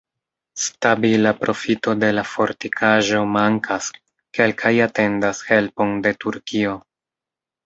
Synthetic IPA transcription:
stabilapɾʔo̞fito̞de̞lafo̞ɾtikʰaʒo̞maŋkas | ke̞lkʰajate̞ndashe̞lpo̞nde̞tuɾkio̞

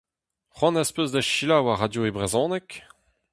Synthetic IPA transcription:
χɑ̃naspøzd̪aʃilawaʁad̪joebʁezɔ̃ːnɛk

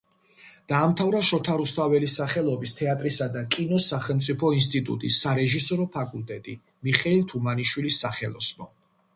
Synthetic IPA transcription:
d̪̥aːmt̪ʰavɾaʃɔt̪ʰaɾust̪ʰavɛlisaχɛlˠɔbist̪ʰɛat̪ʼɾisad̪akʼinɔsaχɛlˠmt̪sʼipʰɔinst̪ʼit̪ʼṵt̪ʼisːaɾɛʒisɔɾɔpʰakʼulˠt̪ʼɛt̪ʼi | miχɛilˠt̪ʰumaniʃwilisːaχɛlˠɔ̰snɔ

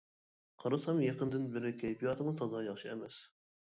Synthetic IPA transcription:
qʰɑɾɨsɑmjeqənd̪ɨnbɪɾɪkʲʰɛjpijɑt̪ʰɨŋt̪ʰɑzɑjɑχʃiɛmɛs

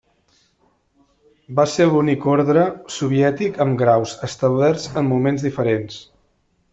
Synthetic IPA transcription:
baselunikoɾðɾəsuβ̞iɛt̪ikəmɡɾawzəst̪əwlɛɾzəmːumenzðifəɾens

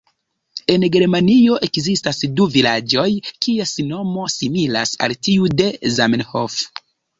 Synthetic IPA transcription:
e̞nɡe̞ɾmanio̞ʔe̞kzistasduvilad͡ʒo̞jkiasino̞mo̞simila̰sa̰ltiude̞zamenho̰f

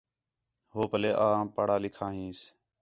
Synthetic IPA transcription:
ɦoːpəleːʔãːpəɽaːlɪkʰãːɦĩːs

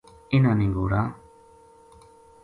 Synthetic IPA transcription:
ɪnaːnẽɡoːɾa

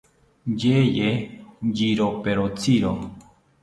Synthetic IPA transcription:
d͡ʒejed͡ʒiɾopeɾot͡siɾo

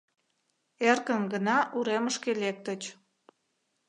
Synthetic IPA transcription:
erkənɡənɑʔuɾeməʃkelek̚t̪ət͡ɕ

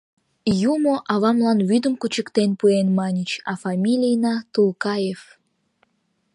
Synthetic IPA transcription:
jumoʔɑβɑmlˠɑnβyd̪əmkut͡ɕə̆kt̪enpuenmɑnʲət͡ɕɑfɑmʲilʲijnɑt̪ulˠkɑjef

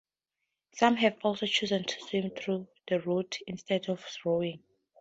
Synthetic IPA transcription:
sãmɦɛvɔlsot͡ʃʰuzə̃ntʰu̥swĩmθɹuð̥əɹutĩnstɛdɔvθɹoĩŋ

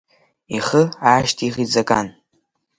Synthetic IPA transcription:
iχəaːʃtʰiʁid͡zakʼan

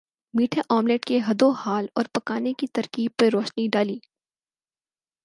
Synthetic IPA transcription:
miːʈʰaʔɔːmleːʈkeɦɐd̪ohaːlɔ̰ːɾpɐkaːnekit̪ɐɾkiːb̚peɾoːʃniɖaːliː

